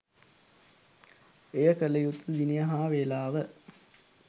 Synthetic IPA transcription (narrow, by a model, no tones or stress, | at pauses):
ejəkələjut̪ːud̪inijəɦaːʋeːlaːʋə